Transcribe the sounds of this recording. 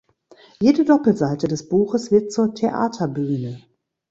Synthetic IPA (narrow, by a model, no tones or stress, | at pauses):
jeːdədɔpl̩zaɪtədɛsb̥uːxəsv̥ɪɐt̚t͡suːɐtʰeʔa̰ːtʰɐbyːnə